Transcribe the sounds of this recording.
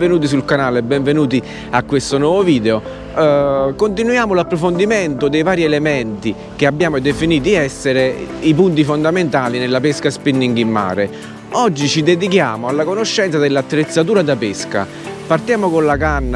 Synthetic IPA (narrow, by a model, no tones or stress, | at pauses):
venuːt̪̬is̬ulkanaːlebːɛɱvenuːt̪̬i | akːwest̪onwɔːvoviːd̪eo | kont̪̬inujaːmolapːɾofond̪iment̪od̪ejvaːɾielemɛnt̪i | k̟eabːjaːmod̪efiniːt̪̬iɛsːeɾeipunt̪̬ifond̪ament̪aːlinelːapeskaspinːiŋɡimːa̰ːɾe | ɔd͡ʒːit͡ʃid̪ed̪ik̬jaːmoalːakonoʃːɛnt̪sad̪elːat̪ːɾet̪sːat̪̬uːɾad̪apeska̰ | part̪jaːmokonlakanː